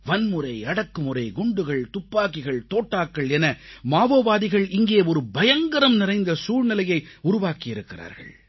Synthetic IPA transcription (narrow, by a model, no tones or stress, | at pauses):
ʋɐnmɯrɐɪɐɽɐkːɯmɯɾɐɪɡʊɳɖɯɣɐɭt̪ʊpːaːkɪɣɐɭt̪oːʈːaːkːɐɭɛnɐmaːʋoːʋaːðɪɣɐɭɪŋɡeːɔɾɯbɐjɐŋɡɐɾɐmnɪrɐɪnd̪ɐsuːɻnɪlɐjɐɪʊɾʊʋaːkɪjɪɾɯkːɪra̰ːɾɣɐ̰ɭ